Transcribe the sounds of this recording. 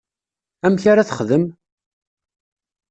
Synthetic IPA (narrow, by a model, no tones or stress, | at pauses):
æmçaɾaθəχðəm